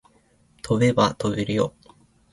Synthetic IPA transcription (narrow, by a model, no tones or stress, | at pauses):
t̪ʰo̞be̞bat̪o̞beɾɯjo